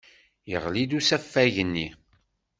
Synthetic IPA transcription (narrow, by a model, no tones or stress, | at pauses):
jəʁlid̪usæfːæʝənːi